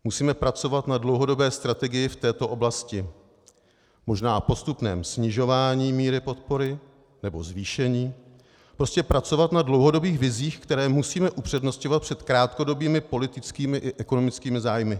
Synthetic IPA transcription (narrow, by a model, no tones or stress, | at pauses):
musiːmɛpɾat͡so̞vat̪nadlowɦo̞do̞bɛːst̪ɾat̪ɛɡɪjɪft̪ɛːt̪o̞ʔo̞blascɪ | mo̞ʒnaːpo̞st̪upnɛːmsɲɪʒo̞vaːɲiːmiːɾɪpo̞t̪̚po̞ɾɪ | nɛbo̞̰zviːʃɛɲiː | pɾo̞scɛpɾat͡so̞vat̪nadlo̞wɦo̞do̞biːxvɪziːxkt̪ɛɾɛːmusiːmɛʔupr̝̥ɛdno̞scovat̪̚pr̝̥ɛt̪kɾaːt̪ko̞do̞biːmɪpo̞lɪt̪ɪt͡skiːmɪʔɪʔɛkono̞mɪt͡skiːmɪzaːjmɪ